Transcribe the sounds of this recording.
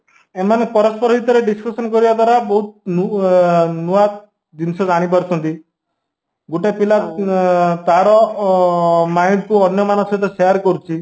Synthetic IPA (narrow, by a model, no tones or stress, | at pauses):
emanepɔɾɔspɔɾɔɦit̪ɔɾeɖiskɔsɔnkɔɾibad̪waɾabɔɦut̪̚nu | nuat̪ | d̪insɔd͡ʒaɽ̃ipɔɾt͡ʃʰɔnt̪i | ɡoʈepilat̪ | t̪aɾɔ | majnkuɔnjɔmanɔst̪ɔseaɾkɔɾut͡ʃʰi